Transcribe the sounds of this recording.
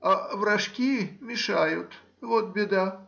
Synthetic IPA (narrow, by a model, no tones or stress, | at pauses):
avɾɐʂkʲimʲɪʂajʊt̪ | vot̪̚bʲɪd̪a